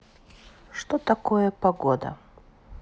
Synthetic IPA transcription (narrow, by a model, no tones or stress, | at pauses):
ʂt̪ot̪ɐkojəpɐɡod̪ə̰